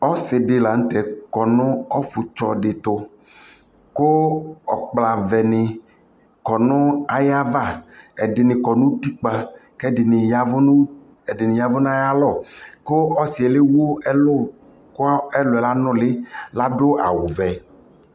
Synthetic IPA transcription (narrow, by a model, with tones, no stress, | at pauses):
ɔ˦sɪ˨ɖɪ˨la˨ŋ̩˦t̪ɛ˨kɔ˨nʊ̃˦ɔ˦fu˨t͡ʃɔ˨ɖɪ˨t̪o˦ | ko˦ɔ̰˨k͡pla˨vɛ˨nɪ̃˨ | kɔ˨nʊ̃˦a˦ja˦va˦˨ɛ˨ɖɪ˨nɪ̃˨kɔ˨nũ˦t̪i˦k͡pa˨kɛ˦dɪ˨nɪ˨ja˦vʊ˦n˦ | ɛ˨dɪ˨nɪ˨ja˦vʊ˦nã˦ja˦lɔ˦˨ko˦ɔ˦si˨ɛ˨le˦wo˦ɛ˦lo˦ | ko˦ɛ˦lʊ˨ɛ˨la˦nɔ̃˦˨lɪ˦la˦ɖo˦a̰˨wu˨vɛ˨